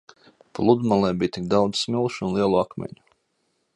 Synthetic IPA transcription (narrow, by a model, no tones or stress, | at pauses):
plˠud̪malˠɛːbiːjt̪ʲikd̪awd̪zsmilˠʃunlˠiɛlˠuakmʲḛɲu̥